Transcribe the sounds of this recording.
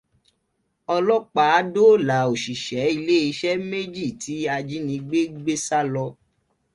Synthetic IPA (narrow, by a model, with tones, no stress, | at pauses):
ɔ˧lɔ˦k͡pa˦a˨˦do˦˨la˨˦o˨ʃi˨ʃɛ˨˦i˧le˦i˧ʃɛ˦me˦d͡ʒi˦˨ti˨˦a˧d͡ʒi˦nĩ˧ɡ͡be˦ɡ͡be˦sa˦lɔ˧